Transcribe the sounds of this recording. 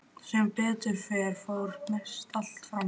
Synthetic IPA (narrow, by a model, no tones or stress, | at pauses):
sɛmpɛːt̪ʏɾ̥fɛːɾ̥fowɾmɛst̪ʰalt̪fɾa